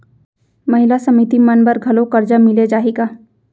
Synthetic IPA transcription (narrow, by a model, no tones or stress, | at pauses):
mɐɦɪlasəmɪt̪imənbəɾɡʱɐlokəɾd͡ʒamɪled͡ʒaːɦiɡa